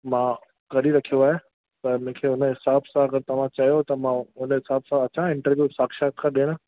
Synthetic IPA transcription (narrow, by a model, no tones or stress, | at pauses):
mãː | kɐɾiɾɐkʰijoaːɦe | t̪ɐmẽːkʰeːʊnɦɪsaːbsãɐɡəɾt̪ɐʋ̤ãt͡ɕɐɦijot̪ɐmãʊnɦɪsaːbsãɐt͡ɕãɪ̃ɳʈəɾʋjuːsaːkʃaːt̪̚kʰãɗeːɽ̃